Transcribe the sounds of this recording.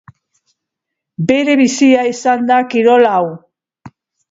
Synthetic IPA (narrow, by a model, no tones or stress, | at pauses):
be̞ɾe̞βisiaisand̪akiɾo̞law